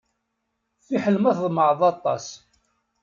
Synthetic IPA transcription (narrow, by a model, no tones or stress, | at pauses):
θiħəlmæθðˤməʕəðˤɑt̪ˤːɑ̰s